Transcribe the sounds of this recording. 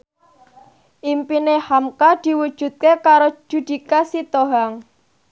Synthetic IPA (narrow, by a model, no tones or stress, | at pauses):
ʔimpinehamkad̪̥i̤wud̥ʒ̥ṳt̪̚kekaɾo̥ʒ̥ṳd̪̥i̤kasit̪oɦaŋ